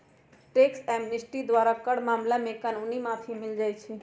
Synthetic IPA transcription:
ʈeksɛmnisʈid̪waɾakəɽmaːmlamẽkanunimãp̪ʰimɪld͡ʒajt͡ʃʰi

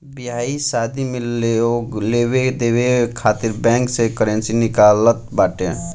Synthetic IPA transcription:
biɦaisad̪ʱimeleolebed̪ebekʰat̪iɾbɛ̃ŋksekəɾensinikalət̪̚baʈe

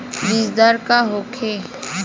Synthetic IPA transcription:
bizd̪aɾkaɦokʰe

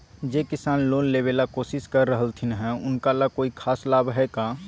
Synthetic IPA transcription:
d͡ʒeːkɪsaːnloːnleːweːlakoːsɪskəɾːəɦəlt̪ʰinəɦɛʊnkalakoːikʰaːslaːbɦɛkaː

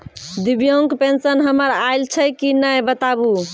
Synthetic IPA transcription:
d̪ibjoŋɡpensənɦəməɾajlt͡ʃʰəkinəjbət̪abu

